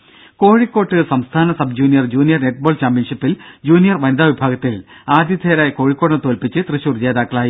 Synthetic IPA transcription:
ko̞ːɻikːo̞ːʈːɨsɐmst̪ʰaːnɐsɐbd͡ʑuːnijɐrd͡ʑuːnijɐrne̞ʈ̚ːboːɭt͡ɕaːmpjɐnʂipːild͡ʑuːnijɐrʋɐnɐd̪aːʋibʱaːɡɐt̪ːilaːd̪ʱjɐt̪ʰeːɾaːjɐko̞ːɻikːoːɽɐɳɐt̪oːlpit͡ɕːɨt̪rɨɕurd͡ʑeːd̪aːkːɐɭaːji

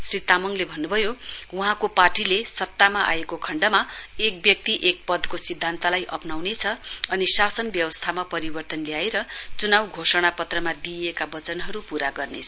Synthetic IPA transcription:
srit̪amʌŋlebʱʌnːubʱʌjowuɦãkoparʈilesʌt̪ːamaʔa̰jekokʰʌɳɖʌmaek̚bjʌk̚t̪iʔek̚pʌd̪kosid̪ʱːant̪alajʔʌ̰pnawnet͡sʰʌʌnisasʌnbjʌwʌst̪ʰamapʌɾibʌrt̪ʌnljaeɾʌt͡sunawɡʱosʌɽ̃apʌt̪rʌmad̪iekabʌt͡sʌnɦʌɾupuɾaɡʌrnet͡sʰʌ

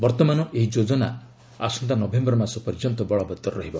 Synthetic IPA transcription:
bɔɾt̪ɔmanɔʔeɦid͡ʒod͡ʒɔna̰ | a̰sɔnt̪anɔbʱembɔɾɔmasɔpɔɾid͡ʒɔnt̪ɔbɔɭɔbɔt̪ːɔɾɔɾɔɦibɔ

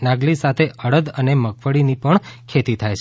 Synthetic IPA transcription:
nãɡlisat̪ʰeʔəɽəd̪əneməkfəɽinipəɳkʰet̪it̪ʰajt͡ʃʰ

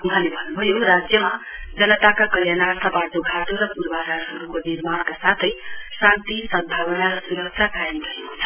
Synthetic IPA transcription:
uɦãlebʱʌnːubʱʌjorad͡zjʌmad͡zʌnʌt̪akakʌljanart̪ʰʌpad̪oɡʱat̪oɾʌpuɾbaɾaɾɦʌɾukonirmankasat̪ʰʌjsãnt̪isʌmbʱawʌnaɾʌsuɾʌksʰakajʌmdʌeko̥t͡sʰʌ̥

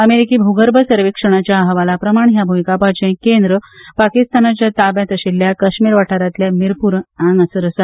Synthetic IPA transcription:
əmeɾikiːbʱuɡəɾbʱəsəɾʋikʂəɽ̃at͡ɕjaːɦəʋalapɾəmaɳɦjabʱumikapad͡ʑẽkend̪ɾəpakist̪anat͡ɕjat̪abjãt̪əɕilːjakəɕmiːɾʋaʈʰaɾat̪ljamiɾpuɾɳãŋɡəsəɾəsa

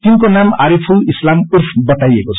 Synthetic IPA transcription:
t̪iŋkonamaɾipʰuislamurfʰbʌt̪ajekot͡sʰ

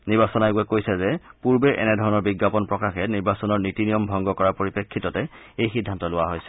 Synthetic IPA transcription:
niɹbasɔnaɡuɛkojsɛzɛpuɹbɛʔɛ̰nɛdʱɔɹɔnɔɹbiɡːapɔnpɹɔkaxɛniɹbasɔnɔɹnitinijɔmbʱɔŋɡɔkɔɹapoɹipekʰːitɔtɛ | ejxidʱːantɔlʊwaɦojsɛ̥

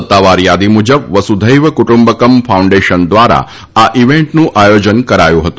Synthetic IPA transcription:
ət̪ːaʋaɾjad̪imud͡ʒəbʋəsud̪ʱəjʋəkuʈumbəkəmfʰaũɳɖeʃənd̪ʋaɾa̰ | aʔiʋẽɳʈnũʔajod͡ʒənkəɾajũɦət̪ũ

